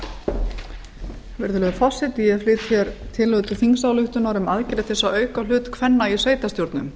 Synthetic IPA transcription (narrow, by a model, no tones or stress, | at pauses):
vɪɾðʏlœɣfɔsːɪt̪ijɛflɪːt̪çjɛɾt̪ʰɪlʏt̪ʏθiŋsawlʏht̪ʏnaɾʏmaðcɪɾɛt̪ʰːɪsawœːɥkal̥ʏːt̪kʰvɛnːaisveːjt̪ast̪jowɾt̪nʏ̰m